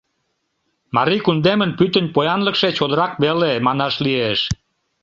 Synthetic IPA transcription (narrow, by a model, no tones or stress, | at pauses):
mɑɾikund̪emənpyt̪ə̆nʲpojɑnləkʃet͡ɕod̪əɾɑk̚βelemɑnɑʃlieʃ